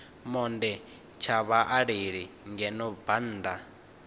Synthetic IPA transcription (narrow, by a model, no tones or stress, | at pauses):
mɔndɛ | t͡ʃʰaβaʔaɺiɺi | ŋɡɛnɔban̩ːd̪a